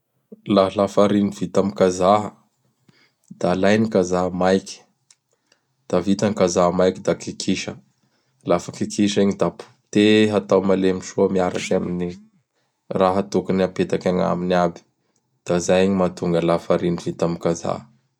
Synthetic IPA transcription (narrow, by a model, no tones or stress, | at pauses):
laɦlafaɾiniv̥it̪amikazaɦə | d̪̥alajnikazaɦəmajki̥ | d̪̥avit̪aŋkazaɦmajkid̪akikʰiʃə | lafəkikʰiʃiɲid̪apu̥ | t̪eɦat̪awmalemiʃuəmiaɾakamini | raɦət̪okaniapet̪akʲaŋa̰minabi̥ | d̪̥azajiɲimat̪uŋɡəlafaɾinivit̪amikaza̰ɦə